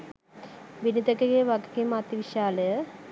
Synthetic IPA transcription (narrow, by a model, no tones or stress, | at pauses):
ʋinid̪əkeɡeʋaɡekimat̪iʋiʃaːləjə